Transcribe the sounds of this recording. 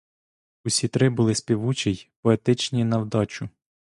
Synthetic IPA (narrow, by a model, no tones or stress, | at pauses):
ʊsʲit̪ɾɪbʊlˠɪsʲpʲiʋut͡ʃijpɔet̪ɪt͡ʃnʲinɐwd̪ɑt͡ʃʊ